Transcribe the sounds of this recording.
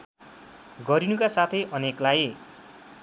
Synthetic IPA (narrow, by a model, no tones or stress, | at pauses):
ɡʌɾinukasat̪ʰʌjʔʌneklaj